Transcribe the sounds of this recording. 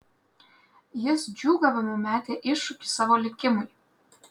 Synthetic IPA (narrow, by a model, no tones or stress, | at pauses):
jɪsd͡ʒʲuːɡɐʋʲɐmomʲæːt̪ʲeʔɪʃʊkʲi̥sɑːʋolʲɪkʲɪmʊj